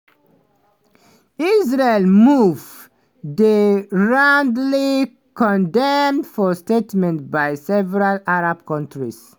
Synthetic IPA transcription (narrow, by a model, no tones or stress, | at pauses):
izɹelmuv | deɹãndli | kɔ̃ndɛmdfɔstetmɛ̃ntbajsɛvɛɹalaɹab̚kɔ̃ntʰɹis